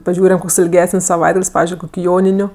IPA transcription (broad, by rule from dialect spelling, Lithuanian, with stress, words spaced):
pɐˈʒʲuːrʲɛm ˈkoːks ɪlʲˈɡʲæːsənʲsʲ sɐˈʋɐɪdɡɐlʲsʲ ˈpɑːʋʲɪzʲd͡ʒʲʊɪ ˈjoːnʲɪnʲʊ